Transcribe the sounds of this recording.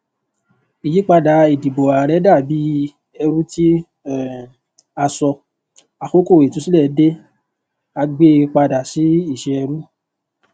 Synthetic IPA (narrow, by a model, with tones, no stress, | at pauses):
i˨ji˨˦k͡pa˧da˨i˨di˨bo˨a˨ɾɛ˨˦da˦˨bi˨˦ | ɛ˧ɾu˦ti˦˨ | a˧sɔ˧ | a˨xo˦ko˦˨e˨tũ˨˦si˦lɛ˦˨˦de˦ | a˧ɡ͡be˦˧k͡pa˧da˨si˨˦i˦˨ʃe˧ɛ˧ɾu˦